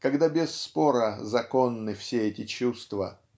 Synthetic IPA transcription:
kɐɡd̪abʲɪsːpo̞ɾəzɐko̞nːɨfsʲeɛtʲɪt͡ɕust̪və̰

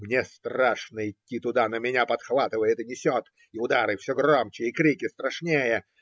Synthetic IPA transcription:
mnʲest̪raʂnəɪtʲːit̪ʊd̪anəmʲɪnʲapɐt̪xvat̪ɨvəjɪt̪nʲɪsʲot̪ | ɪʊd̪aɾɨfsʲoɡromt͡ɕɪɪkɾʲikʲɪst̪ɾɐʂnʲejə

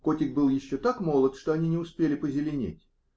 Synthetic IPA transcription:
ko̞tʲɪk̚bɨlˠjɪɕːot̪akmo̞lˠət̪ʂt̪o̞ɐnʲinʲɪʊspʲelʲɪpəzʲɪlʲɪnʲḛtʲ

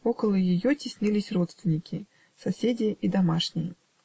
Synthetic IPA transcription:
ɔkɐlˠɐjijɔt͡sʲisʲnʲilʲisʲrɔt̪st̪vʲinʲikʲi | sasʲed͡zʲiid̪amaʂnʲijɛ

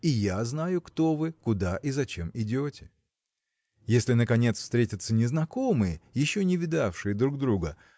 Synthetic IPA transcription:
ijaznajʊkt̪o̞vɨkʊd̪aʔizɐt͡ɕe̞mɪdʲotʲɪ̥ | jesʲlʲɪnəkɐnʲe̞t̪sfst̪ɾʲetʲət̪sənʲɪznɐko̞mɨjəjɪɕːonʲɪvʲɪd̪afʂɨjəd̪ɾuɡ̚d̪ɾuɡə

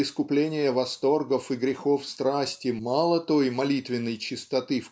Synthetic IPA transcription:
ɪskʊplʲenʲɪjəvɐst̪o̞rɡəfɨɡɾʲɪxo̞fst̪ɾasʲtʲɪmɑlˠət̪o̞jmɐlʲit̪vʲɪnːəjt͡ɕɪst̪ɐt̪ɨf

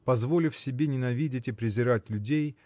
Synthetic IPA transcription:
pɐzvo̞lʲɪfsʲɪbʲenʲɪnɐvʲidʲɪtʲɪpɾʲɪzʲɪɾatʲlʲʊdʲej

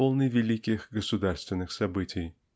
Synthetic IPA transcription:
olˠnɨvʲɪlʲikʲɪxɡəsʊd̪arst̪vʲɪnːɨxsɐbɨtʲɪj

